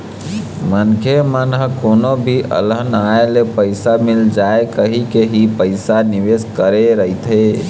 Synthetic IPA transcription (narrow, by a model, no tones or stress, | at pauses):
mənkʰemənɦkonobʱiʔə̰lənaelepəɪsamild͡ʒaekəɦikeɦipəɪsaniʋeskəɾeɾəit̪ʰɦe